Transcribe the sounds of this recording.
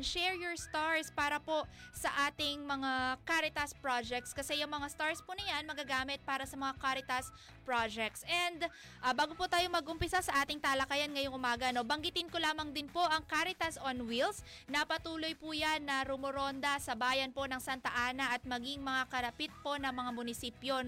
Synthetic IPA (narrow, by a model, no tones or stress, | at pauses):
nʃɛɹjoɹst̪aɹspaːɾɐpo̞sɐʔaːt̪ɪŋmɐŋakaɾɪt̪ɐspɹad͡ʒɛk̚t̪skɐsɛjʊŋmɐŋast̪aɹspunɐjanmɐɡɐɡaːmɪt̪̚paːɾɐsɐmɐŋakaɾɪt̪ɐs | pɹad͡ʒɛk̚t̪sʔɛnd̪ | ʔbaːɡoput̪aːjomɐɡʔʊmpɪsasɐʔaːt̪ɪŋt̪aːlɐkɐjanŋɐjoŋʔʊmaːɡɐno̞bɐŋɡɪt̪ɪnkolaːmɐŋd̪ɪnpo̞ʔɐŋkaɾɪt̪ɐsonwils | nɐpɐt̪uːlo̞jpujanːɐɾʊmoɾo̞nd̪ɐsɐbaːjɐnpo̞nɐŋsant̪ɐʔaːnɐʔɐt̪̚mɐɡiŋmɐŋakɐɾɐpit̪̚po̞nɐŋmɐŋamʊnɪsiːpjo